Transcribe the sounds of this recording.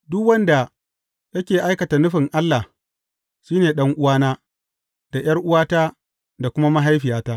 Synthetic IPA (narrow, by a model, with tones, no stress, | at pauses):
dʊ˦kwɐ˦nda˨ | tɐ˦kʲeː˨ʔa˦jkɐ˨ta˨nʊ˦ɸɪ˨ŋʔa˦lːa˨ | ʃiː˦neː˨ɗɐ˦ŋʔʊ˦waː˦naː˦ | d̥a˨j̰ɐ˦rʔʊ˦waː˦taː˦ | da˨kʷʊ˦ma˦ma˦ɦa˦jɸɪ˨jaː˦taː˦